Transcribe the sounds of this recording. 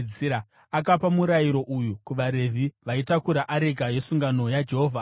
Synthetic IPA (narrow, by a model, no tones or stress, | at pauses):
iɾa | akapamuɾajiɾo̞ʔujukuʋaɾe̞vʱiʋaitakuɾaʔaɾeɡʱaje̞suŋɡano̞jad͡ʒe̞ɦoːvʱa